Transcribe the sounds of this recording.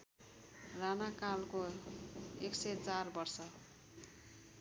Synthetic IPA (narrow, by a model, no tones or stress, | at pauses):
ranakalko | ekset͡sarbʌrsʌ